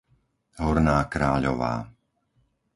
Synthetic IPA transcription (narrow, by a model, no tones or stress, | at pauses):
ɦɔɾnaːkɾaːʎɔ̰ʋa̰ː